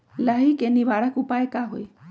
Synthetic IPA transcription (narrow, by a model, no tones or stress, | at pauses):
laɦikenibaɽakupajekaɦoj